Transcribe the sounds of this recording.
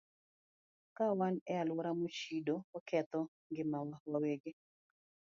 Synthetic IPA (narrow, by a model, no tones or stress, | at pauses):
kawanɛalwɔɾamut͡ʃidoɔkɛt̪ɔ | ŋɡɪmawawaweɡe